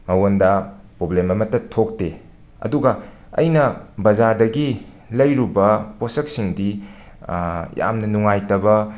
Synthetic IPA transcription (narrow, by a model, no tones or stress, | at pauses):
mɐwondɐ | pɾoblemɐmɐtːɐtʰːok̚te | ɐ̰duɡɐ | ɐ̰jnɐbɐzadɐɡi | lɐjɾubɐposɐk̚siŋdi | ja̰mnɐnuŋajtɐbɐ